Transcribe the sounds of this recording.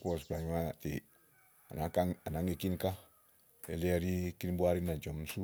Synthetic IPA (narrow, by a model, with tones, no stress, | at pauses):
kɔ˦s̬bla˨ɲa˦t̪i˨ | a˨na˨ka˦ŋa˨na˨ŋe˨ki˦nka˦ | ḛ˨le˦a˨ɾi˦ki˦nbu˦a˦ɾi˦na˨d͡ʒɔ˨msu˦